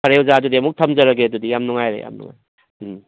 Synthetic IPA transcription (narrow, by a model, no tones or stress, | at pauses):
ɐɾewzadudiemuk̚tʰɐmzɐɾɐɡeɐdudijamnuŋajɾḛja̰mnṵŋa̰j